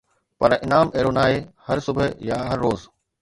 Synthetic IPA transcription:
pɐɾɪnaːmeːɾoːnaːehɐɾsʊbʱəjaːɦɐɾːoːz

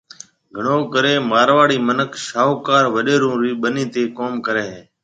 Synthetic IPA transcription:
ɡʱəɳoːkəɾeːmaːɾʋaːɽiːmənəkʃaːɦoːkaːɾʋəɗeːɾũːɾiːɓəniːt̪eːkoːmkəɾeːɦeː

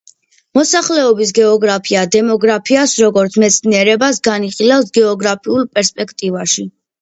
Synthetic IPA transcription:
mɔsaχlɛɔbis̬ɡɛɔɡɾapʰiad̪ɛmɔɡɾapʰiasɾɔɡɔɾt̪sʰmɛt̪sʰniɛɾɛbasɡaniχilafsɡɛɔɡɾapʰiulˠpʼɛɾspʼɛkʰt̪ʼivaʃi

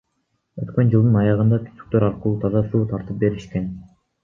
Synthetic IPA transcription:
øt̪kønd͡ʒɯlˠd̪ɯnɑjɑʁɯnd̪ɑk̪ʰy̥sy̥k̚t̪øɾɑɾqɯlˠuːt̪ʰɑzɑsuːt̪ʰɑɾt̪ɯp̚be̞ɾiʃke̞n

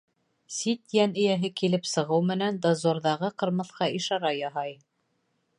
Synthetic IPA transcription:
sit̪jænɘ̆jæɦɘkilɘpsɤ̆ʁɤwmɘ̆nænd̪ɑzoɾðɑʁɤqɤ̆ɾmɤ̆θqɑʔiʃɑɾɑjɑɦɑj

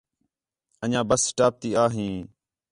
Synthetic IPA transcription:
əɲãːbəssʈaːp̚t̪iːaːɦĩː

